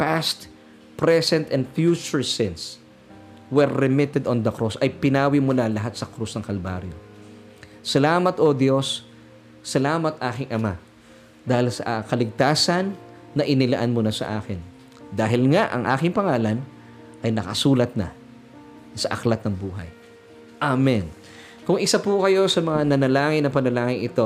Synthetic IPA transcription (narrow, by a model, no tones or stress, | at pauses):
past̪ | pɾɛsɛnt̪ɛnd̪fjuːt͡ʃʊɹsɪns | wɛɹːɪmɪt̪ɛd̪ond̪ɐkɾosʔɐjpɪnaːwɪmʊlalɐɦat̪̚sɐkɾusnɐŋkɐlbaɾjo̰ | sɐlaːmɐt̪ʔod̪jo̞sː | ɐlaːmɐt̪̚ʔaːkɪŋʔɐma | d̪aːhɪlsɐ̰ʔakɐlɪɡ̚t̪aːsɐnː | ɐʔɪnɪlɐ̰ʔanmunɐsɐ̰ʔaːkɪn | d̪aːɦɪlŋaʔɐ̰ŋʔaːkɪŋpɐŋaːlɐn | ʔɐjnɐkɐsuːlɐt̪̚nɐ̰ | sɐʔɐklɐt̪̚nɐŋbuːɦɐ̰j | ʔamɛn | kʊŋɪsapukɐjo̞sɐmɐŋanɐnɐlaːŋɪnːɐpɐnɐlaːŋɪŋɪt̪o̞